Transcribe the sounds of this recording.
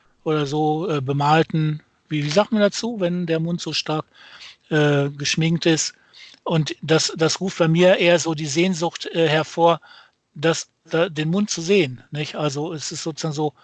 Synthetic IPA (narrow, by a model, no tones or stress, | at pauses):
ʔoːdɐzoːʔɛːbəmaːltn̩ | viːviːzaːk̚tmandat͡suːvɛndeːɐmʊntz̥oːʃtaɐk | ʔɛːɡəʃmɪŋktɪst | ʔʊntd̥asd̥asʁuːft̚b̥aɪmiːɐʔeːɐzoːdiːzeːnzʊxtʔɛːɦɛɐfoːɐ | d̥as | d̥adeːnmʊnt̚t͡suzeːənnɪçʔalzoɛsɪstz̥oːt͡suz̥aːɡŋ̩zoː